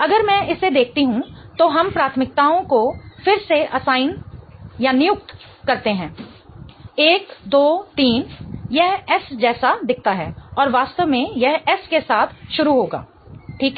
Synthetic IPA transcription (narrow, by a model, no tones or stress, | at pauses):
ɐɡəɾmɛ̃ɪsed̪eːk̚ʰt̪iɦũt̪oɦɐmpɾaːt̪ʰmɪk̚t̪aːõkofɪɾseʔɐsaːɪnjanɪjʊk̚t̪ | kɐɾt̪eɦɛ̃ː | eːkd̪oːt̪iːnjɛɦɛsd͡ʒɛːsad̪ɪk̚ʰt̪aɦɛːɔːɾʋaːst̪əʋmẽjɛɦɛskesaːt̪ʰʃʊɾuɦoːɡa̰ː | ʈʰiːkɦ